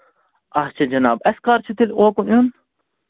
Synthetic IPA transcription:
ɐht͡ʃʰɐd͡ʒɐnaːbɐskaːɾt͡ʃʰit̪iloːkunjun

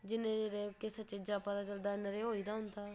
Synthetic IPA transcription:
d͡ʒɪnẽːd͡ʒeɾeːkɪsət͡ʃeːd͡ʒaːpət̪aːt͡ʃəld̪aːɪnəɾeːɦoːiːd̪aːɦʊnd̪aː

